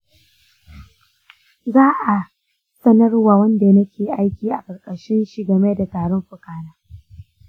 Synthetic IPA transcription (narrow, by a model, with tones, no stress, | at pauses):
zaː˦ʔa˨ | sɐ˦nɐ˦rwaː˨wɐ˦nda˨nɐ˦kʲeː˨ʔa˦jkʲiː˨ʔa˨kʼɐ˨kʼɐ˨ʃɪ˦nʃi˨ɡɐ˨me˦da˨taː˨ɽɔ˦mɸʊ˨kaː˦naː˦